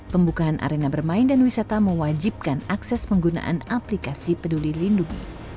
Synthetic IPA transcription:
pəmbukaanʔa̰ɾenabərmaɪndanwisat̪aməwad͡ʒip̚kanaksɛsmpəŋɡuna̰ʔa̰naplikasipədulilinduŋḭ

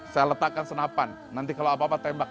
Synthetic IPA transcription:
sajalət̪akːansənapanːant̪ikalowapapat̪ɛmbak̚

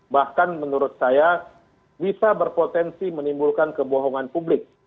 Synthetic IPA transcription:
bahkanmənuɾʊt̪̚saja | bisabərpot̪ɛnsimənimbulkankəboɦɔŋanpublɪk̚

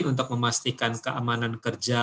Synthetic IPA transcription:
nunt̪ʊk̚məmast̪ikankəʔamanankərd͡ʒa

